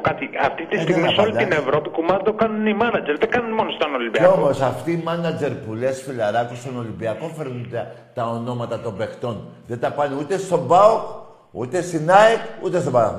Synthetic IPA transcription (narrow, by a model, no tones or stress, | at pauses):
kɐt̪iɐft̪it̪ist̪iɣmisolit̪ine̞vɾo̞pikumɐd̪okɐnunimɐnɐd͡ʒeɾðeŋɡɐnunmo̞nost̪onolimbiɐeomosɐft̪iːmɐnɐd͡ʒe̞ɾpule̞sfilɐɾɐkust̪ono̞limbiɐko̞feɾnunt̪ɐt̪ɐo̞no̞mɐt̪ɐt̪o̞be̞xt̪o̞nðet̪ɐpɐneut̪e̞st̪o̞bɐok | ṵt̪e̞st̪inɐekut̪est̪obɐ